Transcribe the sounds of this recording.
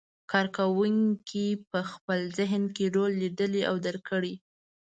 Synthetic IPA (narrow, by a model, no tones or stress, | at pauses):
kɑɾkawuŋkʰipəxpəlzɪɦnkeɾolːid̪əliʔa̰wd̪aɾkəɽi